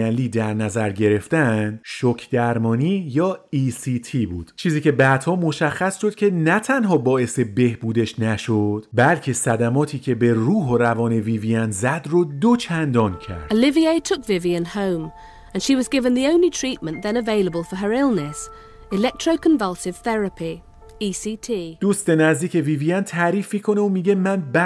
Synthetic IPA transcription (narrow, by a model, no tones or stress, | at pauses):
ænliːd̪æɾnæzæɾɟe̞ɾe̞ft̪ænd̪ʃocʰd̪̥æɾmɒːniːjɒːiːsiːt̪ʰiːbuːd̪̥t͡ʃʰiːziːcʰe̞bæːd̪̥hɒːmo̞ʃæxːæsʃo̞d̪̥cʰʲe̞næt̪ʰænɦɒːbɒːe̞se̞be̞hbuːd̪e̞ʃnæʃod̪̥bælcʰe̞sæd̪æmɒːt̪ʰiːcʲʰe̞be̞ruːɦorævɒːne̞viːviænzæd̪rod̪ot͡ʃʰænd̪ɒːncʰæ̰ɾd̪əlɪvieɪtʰʊkvɪviɨ̃nhõʊ̃m | ɨ̃nʃiwʌzɡɪvɨ̃nðiõʊ̃nlitʰɹ̥it̚mə̃nðɨ̃nəveɪlˠəbəlˠfə˞ə˞ɪlˠnɨs | ɪlɛk̚tʰɹ̥oʊkʰə̃ɱvʌlˠsɨv̥θɛɹɨpʰi | isitʰid̪̥uːst̪e̞næzd̪iːkʰe̞viːviænt̪ʰæɾiːfmiːkʰo̞neomiːɟe̞mænbæ